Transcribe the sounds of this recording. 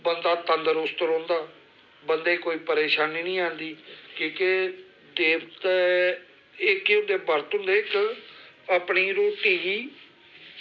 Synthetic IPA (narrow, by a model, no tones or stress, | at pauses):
bənd̪aːt̪ənd̪əɾʊst̪əɾɦõːnd̪aː | bənd̪eːkoːiːpəɾeːʃaːniːnĩːãːnd̪iːkõːke | d̪eːbt̪ː | ɪkeʊ̃nd̪eːbəɾt̪ʊ̃nd̪eːɪk | aːpɳiːɾoːʈiː